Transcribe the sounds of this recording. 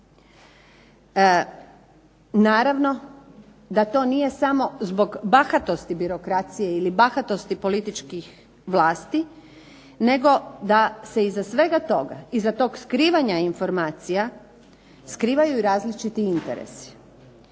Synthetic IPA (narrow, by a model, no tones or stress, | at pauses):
naːɾaʋno̞ | d̪at̪o̞ːnije̞samo̞zbo̞ɡbaxat̪o̞st̪ibiɾo̞kɾat̪sije̞ilibaxat̪o̞st̪ipo̞lit̪it͡ʃkix | ʋlˠaːst̪i | ne̞ɡo̞d̪ase̞izasʋe̞ɡat̪o̞ɡa̰izat̪o̞ːɡskɾiːʋaɲainfo̞ɾmaːt̪sija | skɾiːʋajuiɾaːzlit͡ʃit̪iint̪eɾḛsi̥